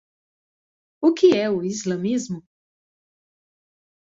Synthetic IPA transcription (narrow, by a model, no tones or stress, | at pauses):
ukijɛuizlamizmu